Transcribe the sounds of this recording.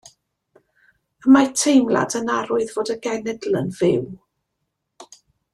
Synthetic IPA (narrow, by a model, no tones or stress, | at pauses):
əmatʰejmlˠa̰dənaɾʊɨðvoːdəɡɛnɛdlˠənv̥ɪw